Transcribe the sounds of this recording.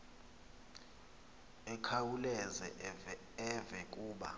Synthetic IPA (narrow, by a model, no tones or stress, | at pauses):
ɛkʰawulɛzɛ | ɛvɛk̬ʼuːɓa̰